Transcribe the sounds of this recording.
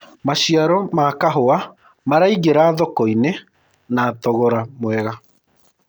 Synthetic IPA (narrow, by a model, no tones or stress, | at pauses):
maɕiaɾɔmakaɦoa | maɾaiɣeɾaːðɔkɔine | naːtɔɣɔɾamwɛɣa